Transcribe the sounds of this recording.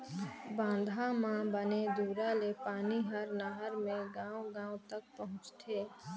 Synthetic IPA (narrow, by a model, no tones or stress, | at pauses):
bãːnd̪ʱamãbəned̪uːɾalepaːniɦəɾnaɦəɾmẽɡãːõɡãːõt̪ək̚pəɦʊ̃t͡ʃt̪ʰeː